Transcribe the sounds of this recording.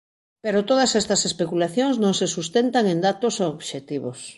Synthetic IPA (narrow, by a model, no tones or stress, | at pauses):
peɾot̪oð̞asɛst̪ɐsespekulaθjoŋznõŋsesust̪ent̪aŋẽnd̪at̪osooβʃet̪iβos